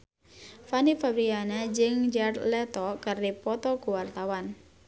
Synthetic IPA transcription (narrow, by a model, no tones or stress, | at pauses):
fanifabɾianɛd͡ʒɨŋd͡ʒarlɛt̪ɔkɨrdipɔt̪ɔkuwart̪awan